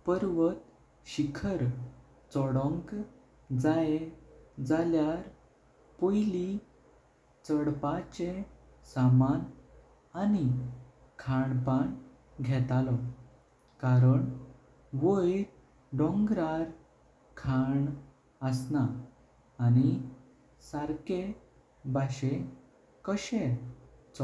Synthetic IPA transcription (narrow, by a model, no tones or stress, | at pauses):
pəɾʋət̪ | ɕikʰəɾ | t͡sɔɽɔ̃ŋk | d͡zaed͡zaljaɾ | pojli | t͡səɽpat͡ɕe | saman | ani | kʰaɳpaɳ | ɡʱɛt̪alɔ | kaɾəɳ | ʋoj | ɖɔ̃ŋɡɾaɾ | kʰaɳ | əsnaː | ni | saɾke | bʱaɕe | kəɕet͡sɔ